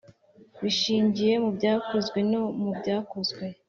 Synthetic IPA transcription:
βiʃiːɲɟije̞mubɟaːkozɡwe̞nomubɟaːkozɡwe̞

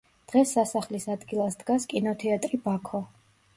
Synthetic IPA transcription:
d̪̥ʁɛsːasaχlisad̪ɡilˠasd̪ɡaskʼinɔt̪ʰɛat̪ʼɾibakʰɔ

